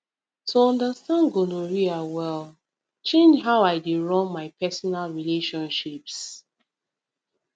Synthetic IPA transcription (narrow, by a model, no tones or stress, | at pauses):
tʰuɔ̃ndəstãnɡoloɹiawɛl | t͡ʃẽnd͡ʒɦaʊaɪdiɹɔ̃nmaɪpɛsɔnalɹileʃɔ̃nʃips